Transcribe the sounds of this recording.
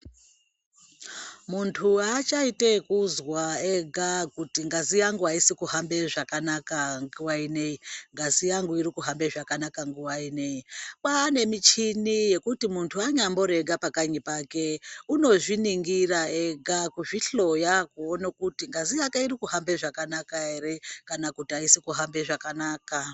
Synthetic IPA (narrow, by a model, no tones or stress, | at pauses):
muntʰuat͡ʃaitekuzwaeɡʱakutiŋɡazijaŋɡuɦaisikuhambe̞ʐakanakaŋɡuwaine̞jiŋɡazijaŋɡuiɾikuɦambeʐakanakaŋɡuwaine̞ipaːne̞mit͡ʃinije̞kutimuntʰuaɲambo̞ɾe̞ɡapakaɲipake̞uno̞ʐiniŋɡiraeɡʱakuʐiɬo̞jakuonakutiŋɡazijakeiɾikuhambe̞ʐakanakaeɾekanakutiaisikuɦambeʐakanaːka